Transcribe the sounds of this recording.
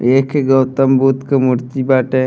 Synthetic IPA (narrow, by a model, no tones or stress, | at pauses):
eːkʰeɡɐwt̪əmbut̪kɐmuɾt̪ibaːʈe